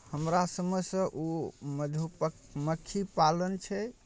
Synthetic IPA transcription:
həmɾasəməsə̃ʔuməd͡ʒʱupə | məkʰːipalənt͡ʃʰɛ

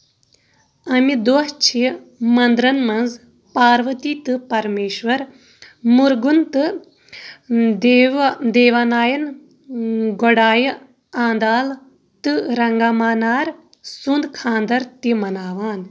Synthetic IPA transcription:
ɐmid̪oːɦt͡ʃʰi | mɐnd̪ɾɐnmɐnz | paːɾʋɐt̪it̪ɨpɐɾmeːʃʋɐɾ | muɾɡunt̪ɨ | d̪ʋd̪eːʋaːnaːjɐn | ɡoɽaːjɐ | ãːnd̪aːl | t̪ɨɾɐŋɡaːmaːnaːɾ | sund̪kʰãːnd̪ɐɾt̪imɐnaːʋaːn

